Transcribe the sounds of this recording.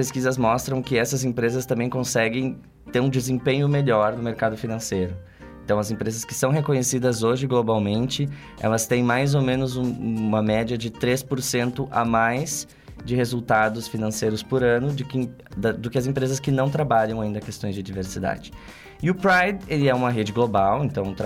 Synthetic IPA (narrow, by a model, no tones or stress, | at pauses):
peskizɐzmɔst̪ɾɐ̃w̃kɪɛsɐzẽpɾezɐst̪ɐ̃mbẽj̃kõsɛɡẽj̃ | t̪eɾũd͡ʒɪzẽpẽɲʊmeʎɔɾnʊmeɾkad̪ʊfinɐ̃sejɾʊ | ẽt̪ɐ̃w̃ɐzẽmpɾezɐskɪ̥sɐ̃w̃ɦekõɲesid̪ɐzoʒɪɡlobawmẽnt͡ʃɪ | ɛ̰lɐst̪ẽj̃majzomẽnʊzũmɐmɛd͡ʒiɐd͡ʒɪt̪ɾespoɾsẽnt̪ʊʔamajz | d͡ʒɪhezult̪ad̪ʊsfinɐ̃sejɾʊspoɾɐ̃nʊd̪ʊkɪ | d̪ɐd̪ʊkɪɐzẽmpɾezɐskɪnɐ̃w̃t̪ɾabaʎɐ̃w̃aĩnd̪ɐkest̪õj̃zd͡ʒɪd͡ʒiveɾsid̪a̰d͡ʒɪ̥ | ɪʊpɾajd̪elɪɛũmɐɦed͡ʒɪɡlobawẽnt̪ɐ̃w̃ʊt̪ɾ